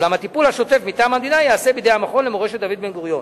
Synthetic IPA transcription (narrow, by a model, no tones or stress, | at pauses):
ɡamhat̪ipulhaʃo̞t̪e̞fmit̪aːmhamd̪inajaːse̞bid̪eamaχo̞nlemoeʃet̪d̪avid̪benɡoʁjo̞n